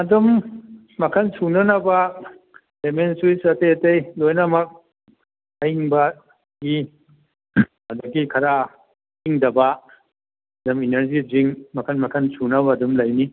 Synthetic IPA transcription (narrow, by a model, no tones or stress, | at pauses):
ɐdumː | ɐkʰɐnsunɐnɐbɐ | lemensujsɐtejɐtejlojnɐmɐk̚ | ɐjiŋbɐ | ɡi | ɐdɐɡikʰɐɾa | hiŋdɐbɐ | ɐdumineɾziziŋmɐkʰɐnmɐkʰɐnsunɐbɐːdumlɐjni